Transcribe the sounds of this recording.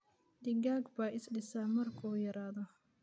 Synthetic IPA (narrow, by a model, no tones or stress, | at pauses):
d̪̥ɪɡaːɡbaːɪsɖɪsaːmɐrkʰɔːjɐɾaːðɔ